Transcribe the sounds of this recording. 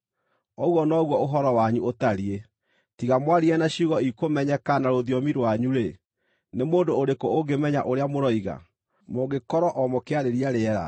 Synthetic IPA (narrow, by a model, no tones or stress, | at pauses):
ɔɣwɔnɔɣwɔoɦɔɾɔwaɲuotaɾie | tiɣamwaɾiɛnaɕuɣɔikomɛɲɛkanaɾoðiɔmiɾwaɲuɾe | nemoːndoːɾekooɡemɛɲa̰ʔoɾeamoɾɔiɣa̰ | moɡekɔɾɔʔɔmɔkeaɾeɾiaɾeɛɾa̰